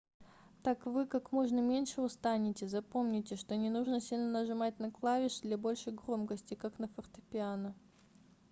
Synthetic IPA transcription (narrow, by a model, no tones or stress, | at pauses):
t̪akvɨkakmo̞ʐnəmʲenʲʂɨʊst̪anʲɪtʲɪzɐpo̞mnʲɪtʲɪʂt̪o̞nʲɪnuʐnəsʲilʲnənəʐɨmat̚ʲnɐklˠavʲɪʂd̪lʲabo̞lʲʂəjɡɾo̞mkəsʲtʲɪkaknəfərt̪ə̥pʲɪanə